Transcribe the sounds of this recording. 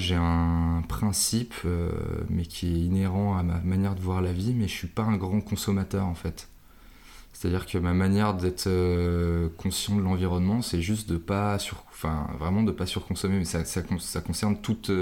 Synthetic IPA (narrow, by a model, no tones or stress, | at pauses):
ʒeɛ̃pχɛ̃sipø̰mɛkʲʰiɛineʁɑ̃ama̰manjɛʁd̪əvwaʁlavimɛəsɥipaɛ̃ɡʁɑ̃kɔ̃sɔmat̪œʁɑ̃fɛt̪ | se̥t̪ad̪iʁkəmamanjɛʁd̪ɛt̪χø | kʰɔ̃sjɑ̃d̪əlɑ̃viʁɔnmɑ̃sɛʒys̬t̪̚d̪əpasyʁɑ̃fɛ̰̃vʁɛmɑ̃d̪əpasyʁkɔ̃sɔmemɛsasakɔ̃sakɔ̃sɛʁnt̪ut̪ø